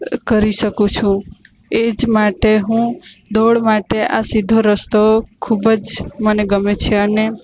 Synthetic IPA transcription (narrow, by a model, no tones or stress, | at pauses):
kəɾisəkũt͡ʃʰũ | ed͡ʒmaʈeɦũd̪ʱoɽmaʈeʔasid̪ʱoɾəst̪okʰubəd͡ʒməneɡəmet͡ʃʰeəne